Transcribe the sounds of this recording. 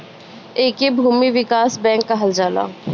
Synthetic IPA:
eːkebʱuːmiʋɪkaːsbɛ̃ːŋkːaɦɐld͡ʒaːla̰ː

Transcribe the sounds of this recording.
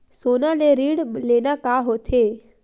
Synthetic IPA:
sonaneɾiɽlenakaɦot̪ʰe

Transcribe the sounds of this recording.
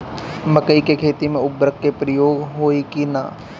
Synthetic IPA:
məkəikekʰeːt̪imẽʊbɾəkːepɾəjoːɡɦoːikina̰

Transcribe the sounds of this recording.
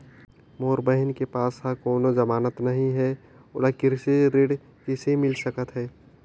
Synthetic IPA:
moːɾbəɦɪnkepaːsɦakoːnozɐmaːnət̪nɐɦĩɦɛ | oːɽakɪɾseɾeɽ | kesemɪlsəkət̪ɦɛː

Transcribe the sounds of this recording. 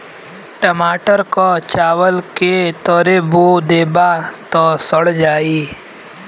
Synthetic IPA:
ʈəmaːʈəɾkat͡ʃaːʋəlket̪əɾebod̪eːbat̪ɔsəɽd͡ʒaːi

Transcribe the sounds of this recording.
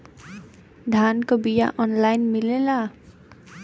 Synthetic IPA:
d̪ʱankobija̰ʔɔnlajnmilela

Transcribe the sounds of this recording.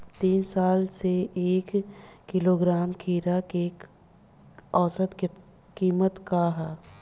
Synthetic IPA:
t̪iːnsaːlseeːkːɪloɡɾaːmkʰiːɾake | ɔːsət̪ke | kiːmət̪kaɦɛː

